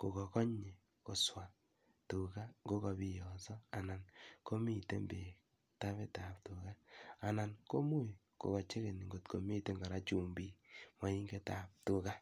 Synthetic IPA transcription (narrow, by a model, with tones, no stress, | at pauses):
ko˨kɔ˨kɔ˦ɲe˨ | ko˨swa˨ | tu˨ka˦ŋɡo˦kɔ˧bi˦jɔ˨sɔ˦a˨na˨nko˦mi˦te˦mbe˨ | ta˦βe˦ta˨ptu˨ka˦a˨na˨nko˦mu˦˨j | ko̰˨kɔ˨t͡ʃe˦ke˨ni˨ŋɡo˨tko˨mi˦te˦ŋɡa˨ɾa˦t͡ʃu˨mbi˨ma˨˦i˦ŋɡe˦ta˨p̚tu˨ka˦